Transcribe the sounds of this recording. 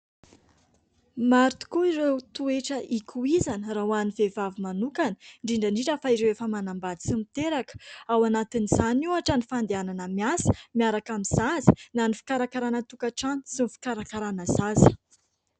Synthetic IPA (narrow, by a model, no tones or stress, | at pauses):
maɾt̪u̥kuiɾewt̪ueʈ͡ʂəʔikʰuizanərawanivevavimanukanə̥ɳɖ͡ʐiɳɖ͡ʐaɳɖ͡ʐiʈ͡ʂafaiɾewefəmanambad̪isimit̪eɾakə̥awanat̪iniz̥anuaʈ͡ʂanifand̪eananəmiasə̥miaɾakamiz̥azi̥nanifi̥kaɾakaɾanət̪ukaʈ͡ʂani̥sinifi̥kaɾakaɾanəzazə̥